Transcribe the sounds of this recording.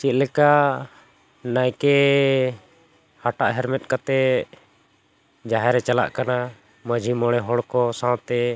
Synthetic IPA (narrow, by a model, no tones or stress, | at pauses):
t͡ʃit̪̚lɛka | najkɛ | haʈaʔɦɛɾmɛt̪̚kat̪ɛ | d͡ʒaɦɛɾɛt͡ʃala̰ʔkana | məd͡ʒʱimɔɽ̃ɛɦɔɽkɔsãw̃t̪ɛ